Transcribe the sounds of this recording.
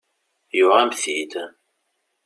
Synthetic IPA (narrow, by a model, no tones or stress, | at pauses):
jʊʁæmθit̪